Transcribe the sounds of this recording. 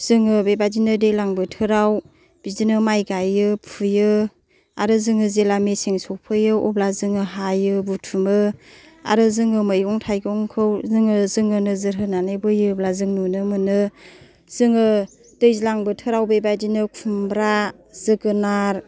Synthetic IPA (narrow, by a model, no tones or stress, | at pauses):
z̥ɯŋɯbebadinɯdɯjlaŋbɯtʰɯɾaw | b̥izinɯmajɡajɯpʰujɯ | aɾɯzɯŋɯzelameseŋsok̚pʰɯjɯɔ̰blazɯŋɯɦajɯbutʰumɯ | a̰ɾɯzɯŋɯmɯjɔŋtʰajɡɔŋkʰɯwzɯŋɯzɯŋɯnɯzɯɾɦɯnanɯjbɯjɯblazɯŋnunɯmɯnɯ | z̥ɯŋɯ | d̥ɯjzlaŋbɯtʰɯɾawbebadinɯkʰumbɾa | zɯɡɯnaɾ